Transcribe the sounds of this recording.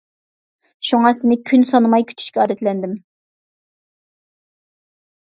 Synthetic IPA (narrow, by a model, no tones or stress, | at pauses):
ʃuŋɑsɪnɪkʲʰynsɑnɨmɑjkʲʰy̥t̪ʰy̥ʃkʲɛɑːd̪ɛt̪lɛnd̪ɪm